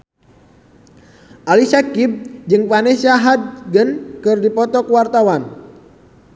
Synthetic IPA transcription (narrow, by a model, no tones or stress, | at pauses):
ʔalisakib̚d͡ʒɨŋfanɛsiaɦad̪̚ɡənkɨrdipɔt̪ɔkuwart̪awan